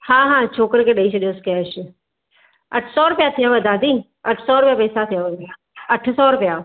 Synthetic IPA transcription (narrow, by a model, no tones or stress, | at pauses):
hãːɦãːt͡ʃʰoːkəɾkeɗəit͡ʃʰiɗeoskjaʃi | ɐʈʰsɔːɾʊpjat̪ʰijaʋəd̪aːd̪i | ɐʈʰsɔːɾʊpjaːpeːsat̪ʰijaːʋə | ɐʈʰsɔːɾʊpjaː